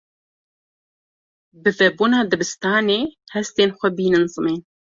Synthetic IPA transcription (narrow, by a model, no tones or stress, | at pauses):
bɨvɛbuːnɑːd̪ɨbɨst̪ɑːneːhɛst̪eːnxʷɛbiːnɨnzɨmeːn